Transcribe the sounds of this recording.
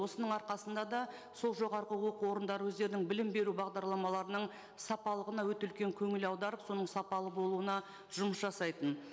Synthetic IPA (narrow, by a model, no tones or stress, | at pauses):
wo̞sənəɴɑɾqɑsənd̪ɑd̪ɑ | so̞lˠʒo̞ʁɑɾʁəwo̞quwo̞ɾənd̪ɑɾəwɵzd̪e̞ɾɪnɪŋbɪlɪmbe̞ɾubɑʁd̪ɑɾlˠɑmɑlˠɑɾənəɴ | sɑpɑlˠəʁənɑwɵt̪eʏlkʲe̞ŋkʲʰɵŋɪlɑwd̪ɑɾəpso̞nəɴsɑpɑlˠəbo̞lˠuənɑ | ʒ̥ʊməsʒɑsɑjt̪ən